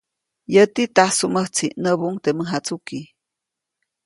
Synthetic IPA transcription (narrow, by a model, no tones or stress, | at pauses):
jət̪it̪ahsuməht͡sʰiʔnəbuŋt̪eməɦat͡suki